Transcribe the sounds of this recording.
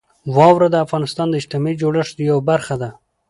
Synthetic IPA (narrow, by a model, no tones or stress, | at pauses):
wɑwɾad̪əafɣɑnɪst̪ɑnd̪əɪʃt̪ɪmɑid͡ʒoɽəʂd̪jawabaɾxad̪a